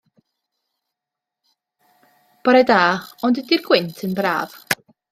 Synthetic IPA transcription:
b̥ɔɾɛdaːɔndɛdirɡwɪntʰənbra̰ːv̥

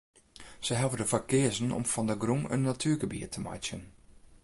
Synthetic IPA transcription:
səɦavədəfakɪəzənɔ̰mfɔndəɡrumə̰nːatʰyəɡəbḭətʰəma̰t͡ʃjən

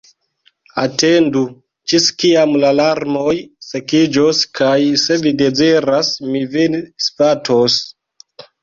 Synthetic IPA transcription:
a̰te̞ndu | t͡ʃiskiamlalaɾmojsekid͡ʒoskʰajse̞vide̞ziɾasmivinspatʰos

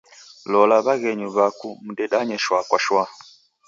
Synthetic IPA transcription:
lɔlaβaɣɛɲuβakumuɗɛɗaɲɛʃwakwaʃwa

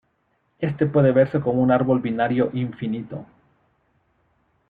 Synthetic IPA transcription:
e̞st̪e̞pwe̞ðe̞βe̞ɾseko̞mounaɾβo̞lbinaɾjo̞ʔiɱfinit̪o̰

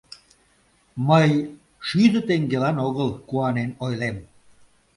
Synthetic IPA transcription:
məj | ʃyd̪ət̪eŋɡelɑnoɣəlkuɑnenojlem

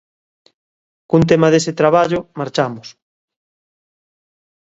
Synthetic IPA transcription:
kunt̪̬emaðesɪt̪ɾaβaʎʊmaɾt͡ʃamʊs

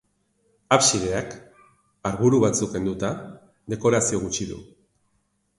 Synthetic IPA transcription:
apsiðe̞ak | aɾɣuɾuβat͡suke̞nd̪ut̪a | ðe̞ko̞ɾasio̞ɣ̞ut͡ʃiðṵ

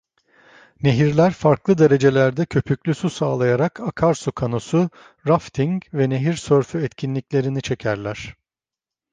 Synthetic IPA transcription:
ne̞ɦiɾlʲæɾfaɾklˠɯd̪e̞ɾe̞d͡ʒe̞lʲæɾd̪ɛcʰø̞pʰycʲlʲysusaːlˠajaɾakʰakʰaɾsukʰano̞su | ɾaft̪ʰiŋvɛneɦiɾsøɾfyɛt̪cʰinlʲicʲlʲe̞ɾinit͡ʃʰe̞cʰæɾlʲæɾ̥

